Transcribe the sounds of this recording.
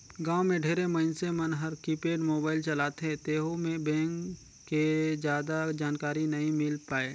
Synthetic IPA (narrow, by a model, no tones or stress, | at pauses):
ɡãːomẽɖʱeːɾeməɪnsemɐnɦɐɾkiːpeːɖmoːbaːɪlt͡ʃɐlaːt̪ɦẽt̪eːɦomẽbɛ̃ːŋkː | ed͡ʒjaːd̪ad͡ʒaːnkaːɾinɐɦĩmɪlpaːeː